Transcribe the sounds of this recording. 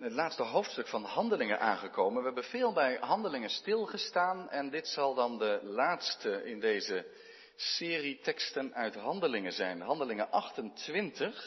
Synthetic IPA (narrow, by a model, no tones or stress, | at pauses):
ətlaːtstəɦowftstɵkfɑnɦɑndəlɪŋənʔa̰ːnχəkowmənʋəɦɛbəv̥ɪːlˠbɛjɦɑndəlɪŋənstɪlˠχəstaːnɛndɪtsɑlˠdɑndəlaːtstəɪndejzə | sɪːritɛkstənœɥtɦɑndəlɪŋənzɛjnɦɑndəlɪŋənʔɑχtəntʋɪntəχ